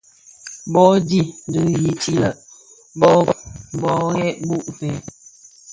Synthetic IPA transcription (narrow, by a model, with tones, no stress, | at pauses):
bɔ˦di˦˨n˨dɨ˨ji˨t͡ʃi˦lə˨ | bɔ˦bbɔ˨˦ɣɛ˦ʔbu˦˨ʔfɛ˨˦